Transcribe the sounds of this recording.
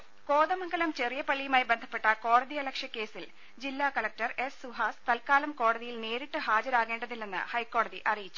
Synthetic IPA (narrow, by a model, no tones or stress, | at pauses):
ko̞ːðɐmɐŋɡɐlɐmt͡ɕe̞rijɐpɐɭːijumaːjibend̪ʱɐpːe̞ʈːɐko̞ːɽɐðiɐlɐkʂjɐkːe̞ːsil | d͡ʑilːaːkɐlɐk̚tɐre̞sːuɦaːst̪ɐlkaːlɐmko̞ːɽɐðijilne̞ːɾiʈːɨɦaːd͡ʑɐɾaːɣe̞ːɳɖɐðilːenːɨ̰hɐjkːo̞ːɽɐðiʔɐrijit͡ɕːu̥